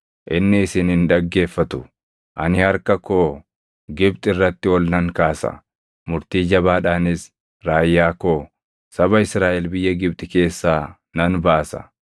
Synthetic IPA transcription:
ʔɪnːɪɪsɪnhɪnᶑ̪ɐɡːe̞ːfːɐt̪ʊ̥ | ʔɐ̰nɪhɐɾkɐkoː | ɡɪbt̪ʼɪrːɐt̪ːɪwɔlnɐŋkaːsɐ̰ | mʊɾt̪iːd͡ʒɐbaːᶑaːnɪs | ɾaːjːaːkoː | sɐbɐɪsɾaːʔɛlbɪjːɐɡɪb̚t̪ʼɪke̞ːsːaː | nɐnbaːsɐ̥̰

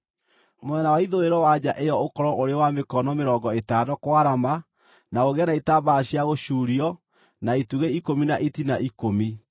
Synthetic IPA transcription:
moɛnawaiðoeɾɔwad͡ʑaʔejɔokɔɾɔoɾewamekɔnɔmeɾɔːŋɡɔetaːdɔkwaɾama | naoɣɛnaitabaːɕjaɣoɕuːɾiɔ | naituɣeikominaʔitinaʔikomi

